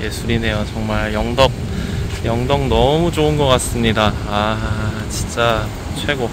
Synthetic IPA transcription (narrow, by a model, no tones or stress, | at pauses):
jesʰuɾine̞jot͡ɕʌŋmaɭjʌŋdʌk̚ | jʌŋdʌŋnʌmud͡ʑoɯnɡʌk͈as͈ɯmɲidaː | t͡ɕint͡ɕ͈a | t͡ɕʰwe̞ɡo